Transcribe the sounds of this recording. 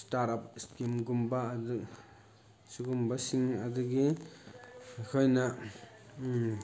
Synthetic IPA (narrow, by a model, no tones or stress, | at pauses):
staɾap̚skimɡumbaːdu | suɡumbasiŋɐd̪uɡi | kʰojna